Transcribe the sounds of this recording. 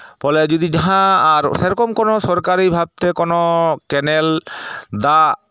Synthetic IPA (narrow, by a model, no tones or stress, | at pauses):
pɔled͡ʒod̪id͡ʑaɦãaɾʃeɾɔkomkonosɔɾkaɾibʱab̚t̪ekonokɛneld̪a